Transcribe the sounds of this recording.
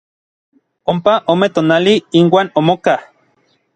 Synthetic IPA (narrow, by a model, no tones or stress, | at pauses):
ompaʔomet̪oːnaliinwaːnomokah